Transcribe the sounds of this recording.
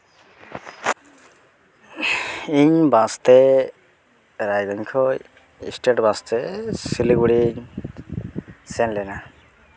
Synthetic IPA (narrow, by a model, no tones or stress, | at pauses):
iɲbãst̪e | ɾajd̪ɔŋkʰɔ | ḭsʈeʈbãst̪esiliɡuɽi | senlena